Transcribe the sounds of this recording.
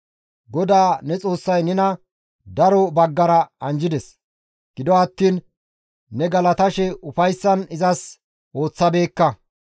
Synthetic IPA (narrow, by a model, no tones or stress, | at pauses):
ɡɔd̪aːnɛt͡sʼo̞ːsːɐjnɛnɐ | d̪ɐɾɔbɐɡːɐɾɐɐnd͡ʒɪd̪ɛs | ɡ̥ɪd̪ɔɐt̪ːiːnː | ɛɡɐlɐt̪ɐʃɛʔʊfɐjsːɐnɪzɐs | o̞ːt͡sːɐbe̞ːkːɐ